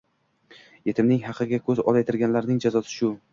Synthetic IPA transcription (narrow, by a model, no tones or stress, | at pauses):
je̞t̪ʰɪmnɪŋhɑqʰɨɡʲakʰɵzɒ̰lˠajet̪ʰɪɾɡʲanlaɾnɪŋd͡ʒazɒsʰɪ̥ʃʊ